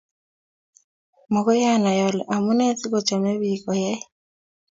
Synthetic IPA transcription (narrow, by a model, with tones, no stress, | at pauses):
mɔ˨ko˦ja˦˨na˨jɔ˨lɛ̰˨ʔa˨mu˦nɛ˦si˦kɔ˨t͡ʃa˨me˦βi˨kɔ˨jɛ˦